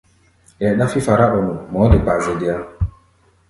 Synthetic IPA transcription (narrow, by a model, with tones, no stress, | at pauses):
jɛ˨ɗa˦fi˦fa˨ɾa˦ʔɔ˨nu˨mɔ˨˦də˨pa˨zɛ˨di˨a˦